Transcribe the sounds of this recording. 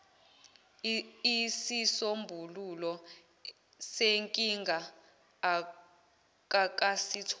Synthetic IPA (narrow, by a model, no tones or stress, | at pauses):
isisombʱululɔ | seŋkʼiŋɡʱa | kak̬ʼasitʰ